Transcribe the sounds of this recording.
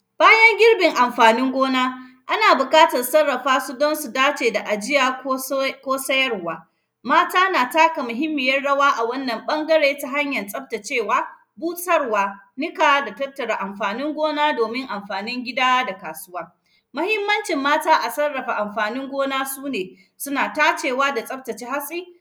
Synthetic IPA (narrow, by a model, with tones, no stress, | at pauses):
b̥aː˦jɐ˦ŋɡʲɪ˦ɽbɪ˨ŋʔa˨mɸaː˨nɪ˦ŋɡʷoː˦naː˦ʔa˦naː˨bʊ˨kʼaː˦tɐ˨rsɐ˦rːɐ˨ɸaː˦su˦dɔ˦nsu˨daː˦t͡ʃeː˨da˨ʔa˨d͡ʒɪ˦jaː˦kʷoː˦sɐ˦jɐ˦rwaː˦ | maː˦taː˦naː˨taː˦ka˨mʊ˨ɦɪ˦mːɪ˨jɐ˦rɽɐ˦waː˦ʔa˨wɐ˦nːɐ˨mɓɐ˦ŋɡɐ˦ɽeː˦ta˦ɦa˦ɲjɐ˨nsʼɐ˦ɸta˨t͡ʃeː˦˨waː˦ | buː˦sʼɐ˦rwaː˦nɪ˦kaː˨˦da˨tɐ˦tːɐ˨ɽa˨ʔa˨mɸaː˨nɪ˦ŋɡʷoː˦naː˦doː˨mɪ˦ŋʔa˨mɸaː˨nɪ˦ŋɡʲɪ˦daː˦da˨kaː˨sʊ˦waː˦ | mɐ˦hɪ˦mːɐ˦nt͡ʃɪ˨mːaː˦taː˦ʔa˨sɐ˦rːɐ˨ɸa˨ʔa˨mɸaː˨nɪ˦ŋɡʷoː˦naː˦suː˦neː˨ | sʊ˦naː˨taː˦t͡ʃeː˨waː˦da˨sʼɐ˦p̚tɐ˨t͡ʃiː˦ha˦sʼiː˦